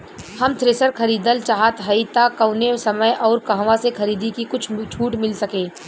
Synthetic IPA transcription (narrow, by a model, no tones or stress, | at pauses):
hɐmt̪ʰɾeːsəɾkɐɾiːd̪əlt͡ʃaːɦat̪ɦɐit̪akɐʊnesɐməjʔɔːɾkɐɦʋasexɐɾiːd̪ikikʊt͡ʃʰt͡ʃʰuːʈmɪlsɐkẽː